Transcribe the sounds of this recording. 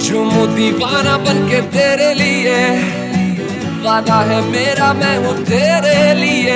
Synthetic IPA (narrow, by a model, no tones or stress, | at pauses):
d͡ʒoːmod̪ipaːnabənket̪eːɾelɪe | ʋaːd̪aɦɛmeːɾamɛ̃ːɦʊ̃t̪eːɾelɪeː